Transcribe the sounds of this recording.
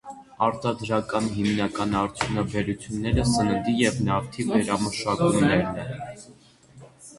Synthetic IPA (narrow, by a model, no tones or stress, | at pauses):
ɑɾt̪ɑd̪ɾɑkɑnɦimnɑkɑnɑɾt͡sʰjunɑbɛɾut͡sʰjunːɛɾəsənənd̪ijɛvnɑɾt̪ʰivɛɾɑməʃɑkumnɛɾnɛn